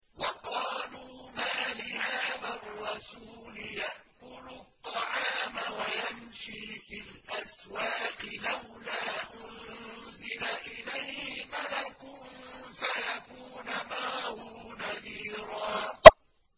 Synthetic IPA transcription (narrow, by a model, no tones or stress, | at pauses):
wɑqɑːluːmaːlɪhaːðarˤːɑsuːlɪjaʔkʊlʊt̪ˤːɑʕɑːmawajamʃiːfilʔaswaːqɪlawlaːʔʊnzɪlaʔɪlajhhɪmalakʊnfajakuːnamaːhunaðiːɾˤɑː